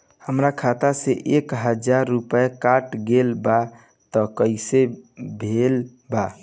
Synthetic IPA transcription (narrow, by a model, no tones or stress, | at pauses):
həmɾakʰat̪aseʔekɦəd͡ʒaɾːupəekaʈɡelba | t̪ɔkəisebʱel | ba